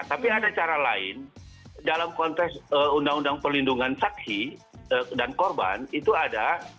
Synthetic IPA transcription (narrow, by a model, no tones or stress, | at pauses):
t̪apiadat͡ʃaɾalaɪ̰n | dalamkɔnt̪ɛksəundaŋundaŋpərlinduŋansaksi | dankɔrba̰nit̪uada